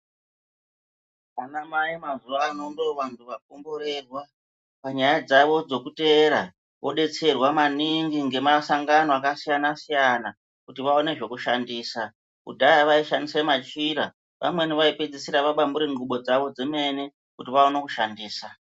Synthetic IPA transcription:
anamaimazuaːno̞ndo̞ʋantʰuʋak̚ombo̞ɾe̞rwa | paɲajad͡zaʋo̞d͡zo̞kute̞ɾa | ʋo̞ɗe̞t͡se̞rwamaniŋɡiŋɡe̞masaŋɡano̞akasijanasijana | kutiʋao̞ne̞ʐe̞kuʃandiːsa | ṵdʱajaʋaiʃandisemat͡ʃiɾa | ʋʔa̰mwe̞niʋaiped͡zisiɾaʋaɓambuɾiŋɡuɓo̞d͡zaʋo̞d͡zeme̞ne | kutiʋaonakuʃandiːsa

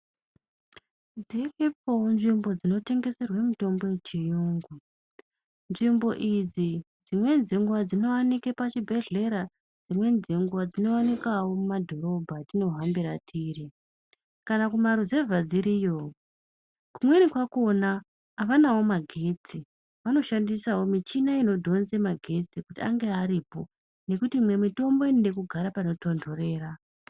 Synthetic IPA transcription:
d͡ziriponʐimbo̞d͡zino̞te̞ŋɡe̞serwemuto̞mbo̞jet͡ʃijuːŋɡu | nʐimbo̞ʔid͡zi | d͡zimwe̞nzeŋɡwad͡zino̞wanikepat͡ʃibʱe̞ɮe̞ɾa | d͡zimwe̞nzeŋɡuwad͡zino̞anikawo̞mumadʱo̞ɾo̞bʱatino̞ɦambiɾatʰiːri | kanakumaɾuze̞vʱad͡ziɾiːjo̞ | kumwe̞nikwako̞naː | ʋanawo̞maɡʱe̞t͡si | ʋano̞ʃandisawo̞mit͡ʃinaino̞dʱo̞nzemaɡʱe̞t͡sikutia̰ŋɡe̞aɾipo̞ | ne̞kutimwe̞mito̞mbo̞inende̞kuɡʱaɾapano̞to̞ndo̞re̞ːra

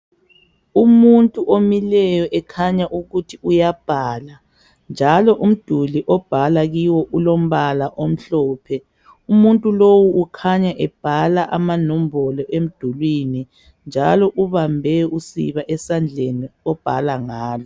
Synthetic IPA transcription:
umuntʼuʔomilɛjɔʔɛkʰaɲaʔuɣutʰiujab̥ʱala | nd͡ʒʱalɔʔum̩d̥ʱuliʔɔb̥ʱalaɣiwɔʔulom̩βalaʔom̩ɬɔːpʰɛ | umuntʼulowuːkʰaɲaʔɛb̥ʱalaʔamanɔm̩bʱɔlɔʔem̩d̥ʱulwini | nd͡ʒʱalɔʔuβambʱɛusḭβaʔɛsand͡ɮʱeniɔb̥ʱalaŋaːlɔ

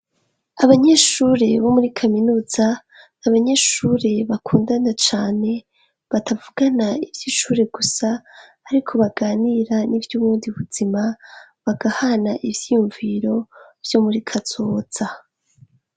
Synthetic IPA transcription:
aβaɲe̞ːʃuːɾe̞βo̞muɾikʰaminuːz̥a | aβaɲe̞ʃuːɾe̞βakʰuːndanat͡ʃaːne̞ | βatʰavuɡanaivjiʃuːɾe̞ɡusaː | ɾikʰo̞βaɡaːniɾanivjuːβuːndiuβuz̥imaβaɡ̥ahanaʔivjijuɱviɾo̞v̥jo̞muɾikʰaz̥o̞ːz̥a

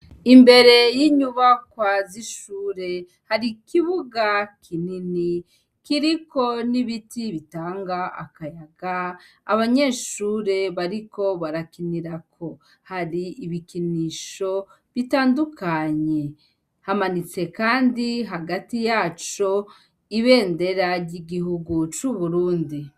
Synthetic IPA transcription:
imbe̞ɾe̞jiɲuβakwaziʃuːɾe̞ | haɾikiβuɡakʰinini | kiɾiko̞niβitiβitaːŋɡaʔa̰kajaɡaː | βaɲe̞ːʃuːɾe̞βaɾiko̞βaɾakiniɾakʰo̞ | haɾiːβikiniʃo̞ | βitaːndukʰaɲe̞ | hamanit͡se̞kaːndiɦaɡatijaːt͡ʃo̞ | iβe̞ːnde̞ɾaɾɟiɡiɦuɡut͡ʃuβuɾuːndi

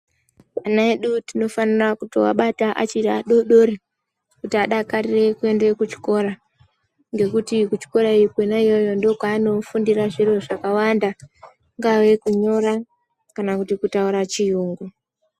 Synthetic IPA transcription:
anaeɗutino̞fanirakuto̰wa̰ɓataʔa̰t͡ʃiɾaɗo̞ɗo̞ɾe | kutiaɗakarire̞kue̞ndekut͡ʃi̥ko̞ɾa | ŋɡe̞kutikut͡ʃi̥ko̞ɾaikwenaijo̞jo̞ndo̞kaːno̞fundiraʐiɾoʐakawanda | ŋɡawe̞kuɲo̞ɾa | kanakutikutauɾat͡ʃiuːŋɡu

